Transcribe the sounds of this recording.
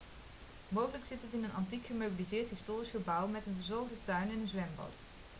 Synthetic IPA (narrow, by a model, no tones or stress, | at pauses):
mowχələksɪtɦətɪnənɑntikχəmowbilizɪːɹtɦistoːrisχəbʌwmɛtənvəzɔɹχdətœɥnɛnənzʋɛmbɑ̰t